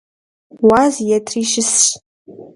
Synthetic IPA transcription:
wazjɛtʰriʃɪsɕ

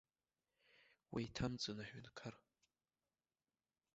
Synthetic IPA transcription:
wa̰jtʰamt͡sʼɨnaħʷᶣɪnkʰar

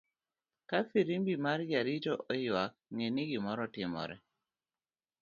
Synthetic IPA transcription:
kafiɾimbimaɾd͡ʒaɾit͡ʃɔʔɔjwak̚ŋeniɡimɔɾɔtɪmɔ̰ɾɛ̰

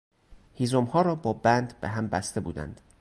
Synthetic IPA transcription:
hiːzomhɒːɾɒːbɒːbænd̪beɦæmbæst̪e̞bṵːd̪æ̰nd̪̥

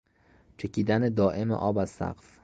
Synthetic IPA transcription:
t͡ʃʰe̞cʰiːd̪æned̪ɒːʔe̞mḛʔɒːbæz̥sæ̰ɢf

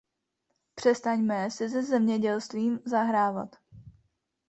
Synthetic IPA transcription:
pr̝̥ɛst̪aɲmɛsɪzɛzɛmɲɛɟɛlst̪viːmzaɦɾaːva̰t̪

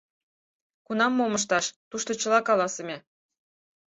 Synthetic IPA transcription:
kunɑmːoməʃ̬t̪ɑʃt̪uʃt̪ot͡ɕə̆lɑkɑlˠɑsĕmʲe

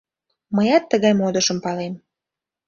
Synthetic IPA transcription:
məjɑt̪ːəɣɑjmod̪əʃə̆mpɑlem

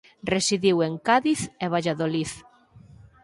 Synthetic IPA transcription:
resiðiweŋkaðiθeβ̞aʎaðoliθ

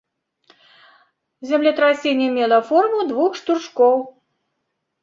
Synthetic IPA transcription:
zʲamlʲɛt̪ɾasʲenʲɛmʲɛlˠɐfɔrmud̪vuxʂt̪urʂkɔw

